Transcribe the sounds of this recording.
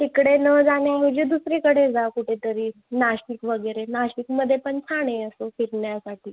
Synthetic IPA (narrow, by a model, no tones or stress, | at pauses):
t̪ikɽenəd͡zaɳjaɦud͡ʑid̪usɾiːkəɽed͡zakuʈʰet̪əɾiː | naɕikʋəɡəɾenaɕikməd̪ʱːjepəɳt͡sʰaɽ̃eəsofiɾɳjasaʈʰiː